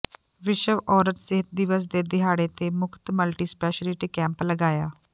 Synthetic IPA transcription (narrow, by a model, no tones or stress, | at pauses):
ʋɪʃəʋɔːɾət̪sɪɦət̪̚d̪ɪʋəs̬d̪eːd̪ɪɦaːɽeːt̪eːmʊkʰt̪məlʈiːspɛːʃəlɪʈikɛ̃ːmpləɡaːjaː